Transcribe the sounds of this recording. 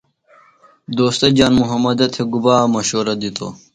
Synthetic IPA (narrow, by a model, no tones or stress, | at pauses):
d̪oːst̪ɐd͡ʑaːnmuɦɐmɐd̪ɐt̪ʰeɡubaːmɐɕoːɾɐd̪it̪o̰